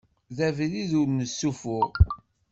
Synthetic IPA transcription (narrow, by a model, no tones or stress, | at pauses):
ðævliðuɾnəsːufʊʁ